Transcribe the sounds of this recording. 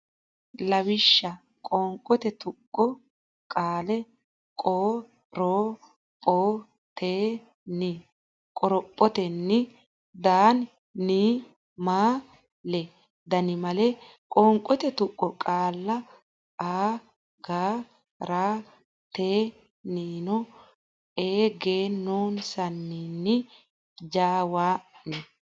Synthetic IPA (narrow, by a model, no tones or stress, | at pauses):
lɐwɪʃːɐ | kʼɔːŋkʼɔt̪ɛt̪ʊkʼːɔ | kʼaːlɛ | kʼoː | ɾoː | pʼoː | t̪ʰeː | nɪ | kʼɔɾɔpʼːɔt̪ɛnːɪ | d̪aːnː | iː | maː | lɛ | d̪ɐnɪmɐlɛ | kʼɔːŋkʼɔt̪ɛt̪ʊkʼːɔkʼaːlːɐ | ʔaː | ɡaː | ɾaː | t̪eː | niːnɔ | eːɡeːnːoːnsɐnːinːɪ | d͡ʒaːwaːnɛ